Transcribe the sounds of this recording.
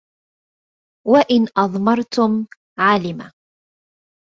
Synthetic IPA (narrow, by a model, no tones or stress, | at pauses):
waʔɪnʔɑðˤmɑɾˤt̪ʊm | ʕaːlɪma